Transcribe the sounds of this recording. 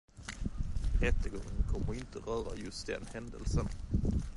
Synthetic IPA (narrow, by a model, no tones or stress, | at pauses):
ɾɛt̪ːəɡɔŋːənkʰɔmːəɾɪnt̪ʰəɾœːɾa̰jɵst̪̚d̪ɛ̰nhɛnd̪əlsən